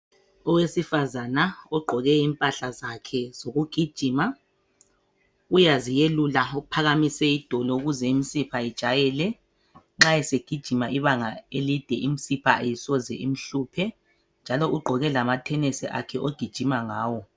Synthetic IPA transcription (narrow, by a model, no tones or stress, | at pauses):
ɔwesifazanaɔɡ͡ǃʱɔɣɛimpʼaɬazakʰɛz̥oɣuɡ̥ʱid̥ʒ̥ʱima | ujazijelulauupʰaɣamisɛid̥ʱɔlɔuɣuzɛimisipʰaid̥ʒ̥ʱajɛlɛ | ŋ͡ǁajɛseɡ̥ʱid̥ʒ̥ʱimaʔiβaŋaelid̥ʱɛʔim̩sipʰaʔejisɔzɛʔimiɬuːpʰɛ | nd͡ʒʱalɔʔuɡ͡ǃʱɔɣɛlamatʰɛnɛsɛʔa̰kʰɛʔoɡ̥ʱid̥ʒ̥ʱimaŋaːwɔ